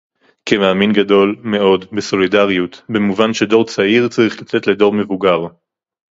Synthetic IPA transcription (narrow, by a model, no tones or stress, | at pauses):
kemaːminɡado̞lme̞o̞dbeso̞lidaʁjutbe̞muvanʃe̞do̞ʁt͡saiʁt͡saʁiχlat͡setle̞do̞ʁme̞vuɡaʁ